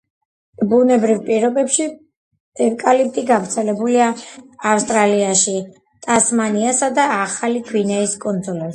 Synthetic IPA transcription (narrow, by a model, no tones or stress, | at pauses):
bunɛbɾivpʼiɾɔbɛpʃi | ɛvkʼalip̚t̪ʼiɡavɾt̪sʰɛlɛbuliaːfst̪ʼɾaliaʃi | t̪ʼasmaniasad̪aːχalikʰwinɛiskʼɔnd̪zɔlɛ